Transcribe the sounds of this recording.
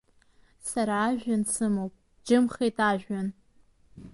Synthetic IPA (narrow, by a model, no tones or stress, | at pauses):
saɾaːʒᶣansɨmowpʼ | d͡ʒɨmχejtʼaʒᶣan